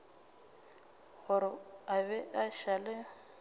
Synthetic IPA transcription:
ɣʊɾɪabɛʔaʃalɪ

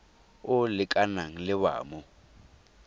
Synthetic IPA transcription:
ʊlɪkʼanaŋ̩lɪβa̰ːmʊ

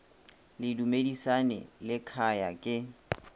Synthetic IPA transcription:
lɪdumedisanɛ̰lɪkʰaja̰kʼɪ

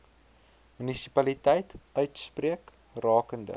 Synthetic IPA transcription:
mynisipɐlitɛjtœɥtspriək | rɑːkəndə̰

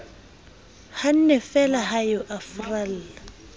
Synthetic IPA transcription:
han̩nɛfɛlaɦajʊʔafral̩ːla

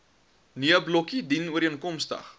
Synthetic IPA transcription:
niəblɔkidinuəɾiənkɔmstə̰χ

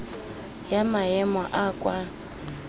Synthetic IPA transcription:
jamaɛmɔʔakʼwa

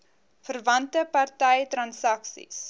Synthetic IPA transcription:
fərvɐntəpɐrtɛjtrɐnsɐksḭs

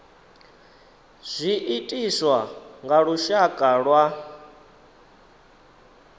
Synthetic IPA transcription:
z̥ʷiʔitʼiswaŋɡaɺuʃakʼaɺwa

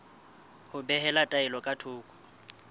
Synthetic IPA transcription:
hʊbɛɦɛlatʼaɪlɔkʼatʰʊːkʼɔ̥

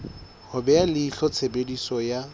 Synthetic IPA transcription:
hʊbɛalɪiɬɔt͡sʰebedisɔja

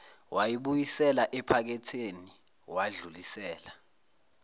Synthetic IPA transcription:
wʔajiɓujisɛlaʔɛpʰak̬ɛtʰeni | waɮulisɛːla

